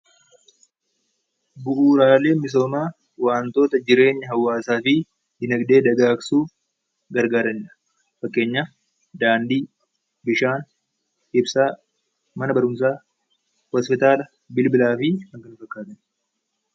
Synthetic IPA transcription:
bʊʔuːɾaːle̞ːmɪs̬o̞ːmaː | waːnt̪o̞ːt̪ɐd͡ʒɪɾe̞ːɲːɐɦɐwːaːsaːfɪ | d̪ɪnɐɡd̪e̞ːd̪ɐɡaːksuː | ɡɐɾɡaːɾɐɲːɐ̥ | fɐkʼːe̞ːɲːaː | d̪aːnd̪iː | bɪʃaːn | ɪbsaː | mɐnɐbɐɾʊms̬aː | hɔːspɪt̪aːlɐ | bɪlbɪlaːfɪhɐŋkɐnʊfɐkːaːt̪ɐn

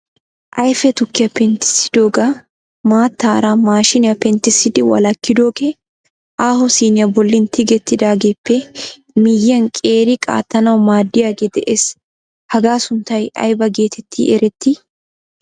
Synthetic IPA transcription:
ʔɐjfɛt̪ʊkːɪjɐpɛnt̪ɪ̥sɪ̥d̪o̞ːɡa | maːt̪ːaːɾamaːʃɪnɪjɐpɛnt̪ɪsːɪd̪ɪwɐ̰lɐkːɪd̪o̞ːɡe | ʔaːhɔsiːnɪjɐbɔlːɪnt̪ʰɪɡɛt̪ːɪd̪aːɡeːpːɛ | mɪjːɐnkʼe̞ːɾɪkʼa̰ːt̪ːɐnɐwmaːd̪ːɪjaːɡeːd̪ɛʔeːs | hɐɡaːsʊnt̪ːɐjɐ̰jbɐɡe̞ːt̪ʰɛt̪ʰːḭʔɛɾɛt̪ːɪ

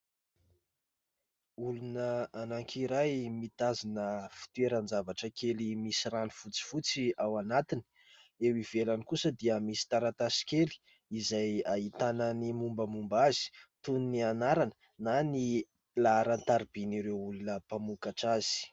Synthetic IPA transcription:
ulunəanaŋkʰiɾajmit̪azinəfi̥t̪ueɾənd͡zavaʈ͡ʂəkʰelimisiɾanifut͡si̥fut͡siawanat̪ini̥ | ewiv̥elanikusəd̪iəmisi̥t̪aɾat̪asi̥kʲeli̥ | izajait̪anənimumbəmumbazi̥t̪unnianaɾanə̥ | nani | laːɾant̪aɾib̥iniɾewulunəpamukaʈ͡ʂaz̥i̥

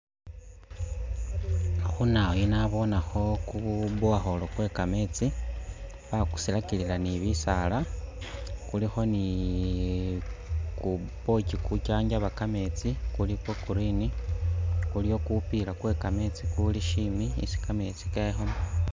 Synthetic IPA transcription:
xunainaβo̞naxo̞kuβuaxo̞lo̞kwe̞ːkame̞t͡si | βaku̥silakililaniβisala | kulixo̞ni | kupo̞cikucaːɲɟaβakame̞t͡sikulikwekuɾini | kulijo̞kupilakwekame̞t͡sikuliʃimiḭsi̥kame̞t͡si̥kexoma

